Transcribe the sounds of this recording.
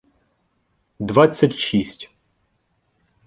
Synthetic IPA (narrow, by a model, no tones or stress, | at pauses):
d̪vat̪sʲɐtʲʃisʲtʲ